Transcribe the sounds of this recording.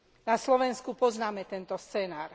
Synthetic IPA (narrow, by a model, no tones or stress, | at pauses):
naslɔʋɛnskupɔznaːmɛt̪ɛnt̪ɔst͡sɛːnaːɾ